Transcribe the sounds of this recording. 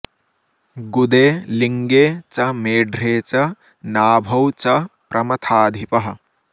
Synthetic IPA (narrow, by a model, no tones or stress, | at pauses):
ɡud̪eːliŋɡeːt͡ʃɐmeːɖɾeːt͡ʃɐ | naːbʱɐwt͡ʃɐpɾʔɐmɐt̪ʰaːd̪ʱipɐɦɐ̆